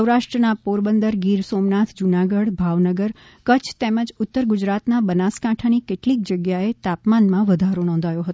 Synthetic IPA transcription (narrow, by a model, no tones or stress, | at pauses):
əwɾaʃʈɾənapuɾbənd̪əɾɡiɾsomnat̪ʰd͡ʒunaɡəɽbʱaʋnəɡəɾ | kət͡ʃʰt̪eməd͡ʒʊt̪ːəɾɡʊd͡ʒɾat̪nabənaskaʈʰanikeʈlik̚d͡ʒəɡjaet̪apmanmãʋəd̪ʱaɾonɔ̃nd̪ʱajoɦət̪